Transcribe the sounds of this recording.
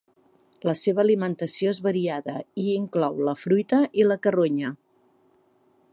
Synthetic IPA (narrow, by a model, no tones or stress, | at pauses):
ləseβəːlimənt̪əsioezβəɾiaðəiiŋklɔwləfɾujt̪əʔiləkəroɲə